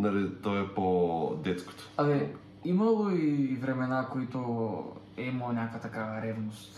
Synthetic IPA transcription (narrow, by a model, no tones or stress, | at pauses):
naɾit̪ɔɛpod̪ɛt̪sko̥t̪ɔ̥alɛ | imalˠoivɾɛmɛnakoit̪o | ɛimalˠnʲakojat̪akavɾɛvnost̪